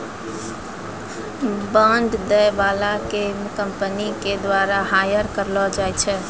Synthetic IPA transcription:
bəɳɖd̪əjbalakekəmpəniked̪ʋaɾaɦajəɾkəɾlɔd͡ʒajt͡ʃʰɛ

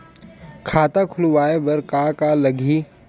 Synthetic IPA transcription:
kʰaːt̪akʰʊlʋaːebɐɾkakalɐɡʱiː

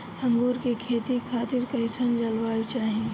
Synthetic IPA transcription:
ɐ̃ŋɡuːɾkekʰeːt̪ikʰaːt̪ɪɾkɐɪsənd͡ʒɐlwaːot͡ʃaːɦĩ

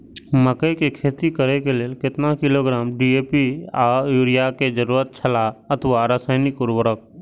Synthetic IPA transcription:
məkəjkekʰeːt̪ikəɾekeleekɪt̪nakɪloɡɾaːmɖieːpiaːjuːɾɪjaked͡ʒəɾuːɾət̪̚t͡ʃʰəlaət̪ʰʋaɾaːsaːɪnɪkʊɾwəɾək̚

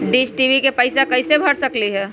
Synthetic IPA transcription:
ɖiːsʈiʋikepəɪsakɐɪsebʱɐɽsɐkliɦɛː

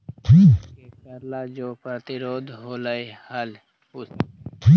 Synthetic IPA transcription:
tʰiːekəɾlad͡ʒoːpɾət̪ɪɾoːd̪ɦoːləehəl | ʊ | t̪ʰiː

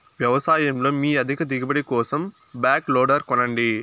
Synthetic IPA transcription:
ʋjɐʋɐsaːjɐmlo̞ːmiːɐd̪ʱikɐd̪iɡɐbɐɽikɔːsɐm | baːkloːɖɐɾkɔnɐɳɖi

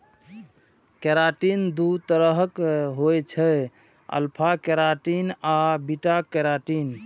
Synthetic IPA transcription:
keɾaʈind̪ut̪əɾəɦəkɦojt͡ʃʰɛ | ə̰lpʰakeɾaʈinabiʈakɛɾaʈin

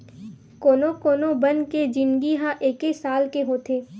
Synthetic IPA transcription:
koːnokoːnobɐ̃nd̪ked͡ʒɪ̃nɡiɦãʔeːkesaːlkeɦoːt̪ʰeː

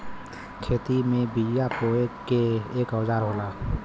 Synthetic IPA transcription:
kʰeːt̪imẽbid͡ʒjapoekeeːkɔwzaːɾɦoːlaː

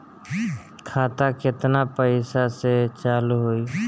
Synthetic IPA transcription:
kʰaːt̪akɪt̪napəɪsaset͡ʃaːluɦoi

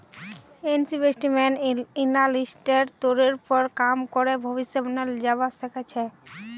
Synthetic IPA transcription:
ensibesʈimɛninalisʈeɾt̪oɾeɾpɔɾkamkoɾebʱobiʃːebneld͡ʑabasekʰet͡ɕʰe

